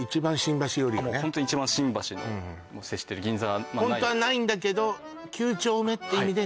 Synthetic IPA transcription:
it͡ɕibãɰ̃ɕĩmbaɕijo̞ɾʲineõnt̪oɲit͡ɕibãɕĩmbaɕinõ | moːseɕi̥t̪eɾɯ̟ɡʲĩnzahõ̞nt̪o̞anaĩnd̪ake̞d̪o̞ | kʲʰɨːt͡ɕo̞ːme̞t̪ːeimʲid̪e

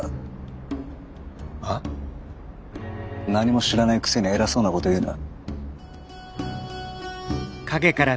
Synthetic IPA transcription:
a | naɲ̟imo̞ɕiɾanaikɯ̥se̞ɲ̟ʲieɾaso̞ːnako̞t̪o̞jɯ̟ːnoβa̰ | kaɡe̞kaɾa

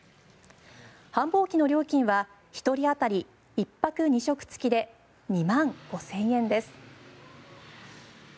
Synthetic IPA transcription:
hãmbo̞ːkʲino̞ɾʲo̞ːkʲĩɰ̃βa | çi̥t̪o̞ɾʲiat̪aɾʲi | ipːakɯ̟ɲ̟iɕo̞kɯ̟̥t͡sɨ̥kʲid̪e̞ | ɲ̟imãŋɡ̥o̞sẽ̞ɰ̃ẽ̞nd̪e̞sɨ̥

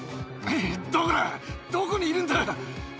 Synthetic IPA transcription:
ed̪okoed̪̥okoɲ̟iːɾɯ̃nd̪aɾoa

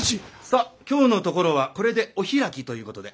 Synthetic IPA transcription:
isakʲo̞ːno̞t̪o̞ko̞ɾo̞β̞ako̞ɾe̞d̪e̞o̞çiɾakʲit̪o̞jɯ̟ːko̞t̪o̞d̪e̞

